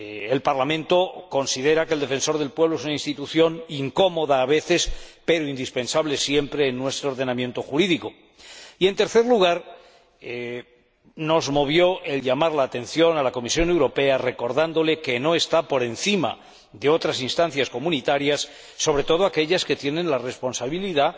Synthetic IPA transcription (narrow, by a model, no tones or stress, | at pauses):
elpaɾlamẽ̞nt̪o̞ko̞nsið̞e̞ɾakeld̪e̞fe̞nso̞ɾðelpwe̞β̞loes̬unainst̪it̪uθjo̞niŋko̞mo̞ðaːβe̞θe̞spe̞ɾoind̪ispẽ̞nsaβle̞sje̞mpɾe̞ːnːwe̞st̪ɾooɾðe̞namje̞nt̪o̞xuɾiðiko̞ | ie̞nt̪e̞ɾθe̞ɾluɣ̞aɾ | no̞zmo̞β̞jo̞ʔe̞lʎamaɾlaːt̪ẽ̞nθjo̞nalako̞misjo̞ne̞wɾo̞pe̞are̞ko̞ɾðand̪o̞le̞ke̞no̞e̞st̪apo̞ɾe̞nθima̰ | d̪e̞o̞t̪ɾasinst̪anθjasko̞mũnit̪aɾjasː | o̞β̞ɾe̞t̪o̞ð̞o̞ake̞ʎaske̞t̪je̞nẽ̞nlare̞spo̞nsaβiliða